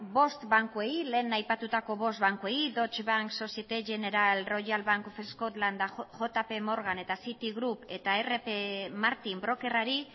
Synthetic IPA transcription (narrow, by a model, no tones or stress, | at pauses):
bo̞st̪baŋkueile̞ːnajpat̪ut̪ako̞βo̞st̪̚βaŋkueid̪o̞t͡ʃβaŋkso̞siet̪eʝe̞ne̞ɾalro̞jalβaŋkfeskot̪land̪axo̞t̪ape̞mo̞ɾɣane̞t̪asit̪iɣɾupe̞t̪ae̞re̞pemaɾt̪imbɾo̞ke̞raɾi